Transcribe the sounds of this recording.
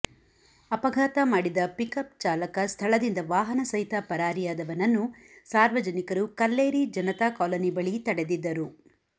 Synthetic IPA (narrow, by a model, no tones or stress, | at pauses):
ɐpɐɡʱaːt̪ɐmaːɽid̪ɐpikɐp̚t͡ʃaːlɐkɐst̪ʰɐɭɐd̪ind̪ɐʋaːɦɐnɐsɐɦit̪ɐpɐɾaːɾijaːd̪ɐʋɐnɐnːu | saːɾʋɐd͡ʒɐnikɐɾukɐlːeːɾid͡ʒɐnɐt̪akɔːlɐnibɐɭit̪ɐɽed̪id̪ːɐɾu